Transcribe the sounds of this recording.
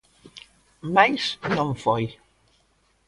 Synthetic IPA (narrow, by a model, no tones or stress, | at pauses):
majsnɔŋfɔj